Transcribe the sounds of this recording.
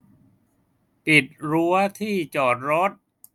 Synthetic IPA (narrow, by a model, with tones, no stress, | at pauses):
pi˨˩t̪̚ɾu˧˦˥ɐt̪ʰiː˥˩t͡ɕɔː˨˩t̪̚ɾo˦˥t̪̚